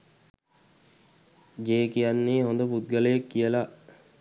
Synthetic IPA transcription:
ɡeːkijanːeːɦond̪əput̪̚ɡələjekːijəlaʔ

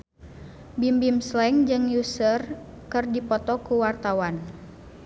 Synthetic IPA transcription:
bimbimslɛŋd͡ʒɨŋjusər | kɨrdipɔt̪ɔkuwart̪awan

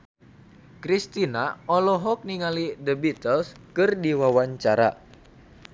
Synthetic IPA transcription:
kɾist̪inaʔɔlɔɦɔk̚niŋalidəbit̪əlskɨrdiwawaɲt͡ʃaɾa̰

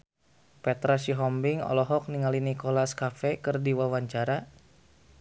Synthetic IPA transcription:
pɛt̪ɾasiɦɔmbiŋɔ̰lɔɦɔk̚niŋalinikolaskafɛkɨrdiwawaɲt͡ʃaɾa

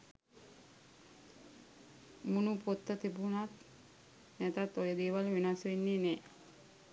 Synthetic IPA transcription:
munupot̪ːət̪ibunat̪ | næt̪at̪ojəd̪iːʋalʋinasinːineː

